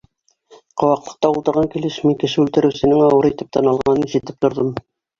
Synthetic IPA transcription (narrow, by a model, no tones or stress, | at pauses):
qŏwɑqlˠɤ̆q̚t̪ɑulˠt̪ɤ̆ɾʁɑŋkilɘʃmiŋkɘ̆ʃɘʉlt̪ɘ̆ɾɘ̆wsɘ̆nɘŋɑwɤɾit̪ɘp̚t̪ɑnɑlˠʁɑnɤniʒɘ̆t̪ɘp̚t̪ŏɾðɤm